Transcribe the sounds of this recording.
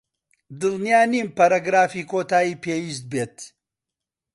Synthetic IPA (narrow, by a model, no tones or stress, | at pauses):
d̪ɨlnijaːnimpɐɾaɡɾaːfiːkʰoːt̪aːjiːpʰeːwiːs̬t̪̚beːt̪